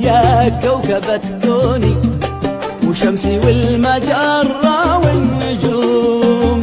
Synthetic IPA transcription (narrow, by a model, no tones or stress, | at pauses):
jakːawkabat̪koːni | wʃamsiwɪlmad̪ɑɾˤːɑwɪnːʊd͡ʒu | m